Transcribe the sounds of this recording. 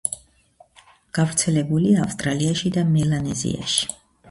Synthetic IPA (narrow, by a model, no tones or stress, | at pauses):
ɡ̥avɾt̪sʰɛlɛbuliaːfst̪ʼɾaliaʃid̪amɛlanɛzḭa̰ʃi̥